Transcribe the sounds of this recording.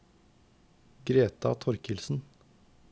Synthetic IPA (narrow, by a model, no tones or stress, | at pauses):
ɡɾeːt̪ɑ̰t̪ʰɔɾkɪlsn̩